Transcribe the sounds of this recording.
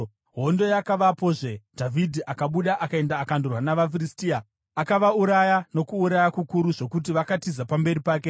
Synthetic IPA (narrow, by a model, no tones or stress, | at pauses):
ɦo̞ndo̞jakaʋapo̞ʐe̞dʱavʱidʱiʔakaɓuɗaʔakae̞ndaːkandurwanaʋafiristiːa | akaʋauɾajano̞kuːɾajakukuɾuʐo̞kut̬iʋakatizapambe̞ripaːk̬e̞